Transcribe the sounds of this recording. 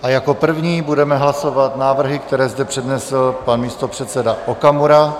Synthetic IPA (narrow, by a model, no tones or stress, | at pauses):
ʔajako̞pr̩vɲiːbudɛmɛɦlaso̞vat̪naːvr̩ɦɪk̚t̪ɛɾɛːzdɛpr̝̥ɛdnɛsl̩panmiːst̪o̞pr̝̥ɛt̪t͡sɛdaʔokamuɾa